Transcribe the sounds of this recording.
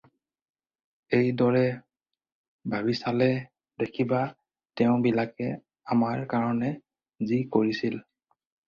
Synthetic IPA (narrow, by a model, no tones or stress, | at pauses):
ejdɔɹɛ | bʱabisalɛ | dekʰiba | tɛʊ̃bilakɛ | amaɹkaɹɔnɛ | zikoɹisil